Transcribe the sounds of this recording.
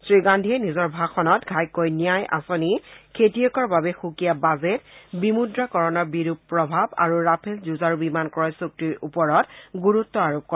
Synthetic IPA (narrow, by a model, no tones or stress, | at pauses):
sɹiɡandʱiɛnizɔɹbʱaxʰɔnɔtɡʱajkojnijajʔa̰sonikʰetijɔkɔɹbabɛxukijabazetbimudɹakɔɹɔnɔɹbiɹupːɹɔbʱaba̰ɹuɹapʰelzuzaɹubimankɔɹɔjsuk̚tiɹupɔɹɔtɡuɹutːɔaɹop̚kɔ